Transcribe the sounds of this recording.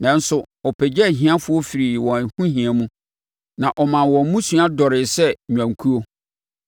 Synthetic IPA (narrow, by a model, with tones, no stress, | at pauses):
nã˦n̩˦sʊ˨ | ɔ˨pʰɛ˨d͡ʑɛ˦˨ɦĩ˦a˦fʊ˦ɔ˦fi˨ɾi˨wɔ̃˨hũ˦ɦĩ˨a˨mũ˦ | nã˨ʔɔ˨mã˨nwɔ̃˨˦mũ˦sũ˦a˦dɔ˨ɾɪ˨sɛ˦ɲᶣã˨ŋ˨kʰu˦o˦